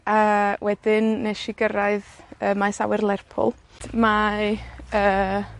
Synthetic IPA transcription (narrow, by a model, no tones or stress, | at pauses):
awʔɛd̥ɪnːeʃɪɡəɾaɨðəːmajsa̰wɛrlˠɛrpʰʊ̰l̥ˠma | əː